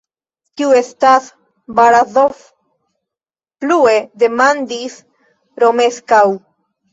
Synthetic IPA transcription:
tiue̞stas | baɾazof | plue̞de̞mandis | ɾo̞me̞skaw

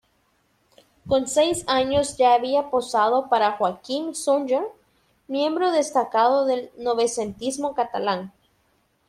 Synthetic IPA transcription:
ko̞nsejsaɲo̞zd͡ʒaːβiapo̞saðo̞paɾaxwakiŋsund͡ʒeɾ | mjẽ̞mbɾoðe̞st̪akaðoðe̞lno̞βe̞sent̪izmo̞kat̪alaŋ

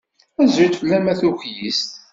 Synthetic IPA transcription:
æzɾit̪fəlːæmæθuçjist̪

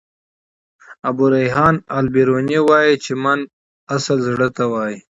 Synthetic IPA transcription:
abuɾajɦɑːnalbiɾoːnewɑːjit͡ʃʰemɐn | asəlzɽət̪awɑːji

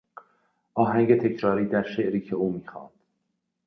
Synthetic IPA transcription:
ʔɒːɦæŋɟe̞t̪ʰe̞cʰɾɒːɾiːd̪æɾʃeʔɾiːcʰe̞uːmiːxɒ̰ːnd̪̥

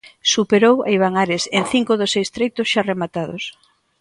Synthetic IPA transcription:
supeɾowa̰iβ̞aŋaɾesenθiŋkoðosːejst̪ɾejt̪ʊsʃaremat̪að̞o̰s

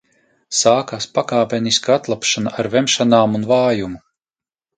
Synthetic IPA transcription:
saːkaspakaːpʲɛniskaat̪lˠapʃanaʔaɾvɛmʃanaːmunvaːjumu

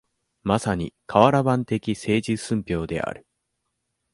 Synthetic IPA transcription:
masaɲ̟ḭkʰaβaɾabãnt̪e̞kʲise̞ːʑisɨ̃mpʲo̞ːd̪e̞̰ʔa̰ɾɯ̟̥

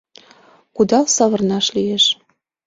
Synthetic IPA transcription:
kud̪ɑlsɑβɤ̆rnɑʃlieʃ

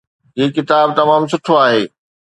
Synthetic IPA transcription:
ɦiːkɪt̪aːb̚t̪ɐmaːmsʊʈʰoaːɦeː

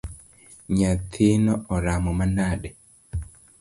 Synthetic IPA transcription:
ɲat̪ʰinɔɔɾamɔmanaɗɛ

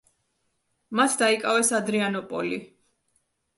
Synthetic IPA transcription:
mat̪ʰd̪aikʼavɛsad̪ɾianɔpʼɔ̰li

